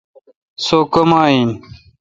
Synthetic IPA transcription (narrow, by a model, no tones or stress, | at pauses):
sokɐmaːin